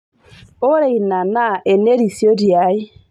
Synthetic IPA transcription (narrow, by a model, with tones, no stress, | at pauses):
o˦ɾe˨i˨na˨na˦ʔɛ˨ne˦ɾi˨sjo˦ɾja˨˦i˦